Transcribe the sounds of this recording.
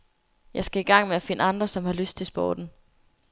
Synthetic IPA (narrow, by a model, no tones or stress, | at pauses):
jɑ̈ɪsɡ̥æiɡ̥ɑ̈ŋ̰meæfe̝nəɑ̈nd̥ʁɐsɒ̽mhɑ̈løsd̥̚t͡sʰe̝lsb̥ɒ̰ːd̥n̩